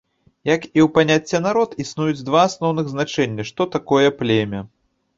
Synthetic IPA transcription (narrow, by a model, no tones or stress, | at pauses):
jɐkiwpanʲat͡sʲːɛnaɾɔt̪isnujud͡zʲd̪vaːsnɔwnɨɣznat͡ʂɛnʲːɐʂt̪ɔt̪akɔjɛplʲɛmʲɛ